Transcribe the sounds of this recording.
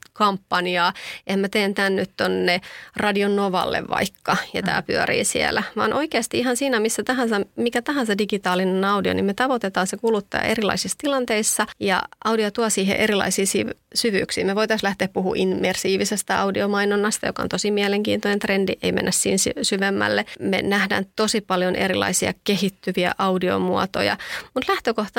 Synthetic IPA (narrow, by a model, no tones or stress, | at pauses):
kɑmpːɑniɑːehæmæt̪eːnt̪ænːyt̪t̪onːerɑdionnoʋɑ̰lːḛʋʋɑ̰ikːɑjɑt̪æ̰ːpyøɾḭːsḭæ̰læʋɑ̰ːnʔoikeɑst̪iiɦɑnsiːnæmisːæt̪ɑɦɑnsɑmikæt̪ɑɦɑnsɑdiɡit̪ɑːlinenɑudio̰nimet̪ɑʋot̪et̪ɑːnsekulut̪ːɑ̰ːʔerilɑ̰isist̪ilɑnt̪eisːɑjɑ̰ʔɑwdiot̪uɑsiːɦḛʔeɾilɑ̰isiːsiʋsyʋy̰ːksiːmeʋoit̪ɑslæht̪eæpuhṵʔinmersiːʋisest̪æɑudiomɑinonːɑst̪ɑjokɑont̪osimiɛleŋkḭːnt̪onent̪rendiʔeimḛnːæssḭːnssyʋemːæ̰lːemḛnæhdæ̰ːnt̪osipɑljonʔeɾilɑ̰isiɑ̰keɦit̪ːyʋiæ̰ʔɑudio̰muɑt̪o̰jɑ̰mut̪læht̪økoht̪ɑ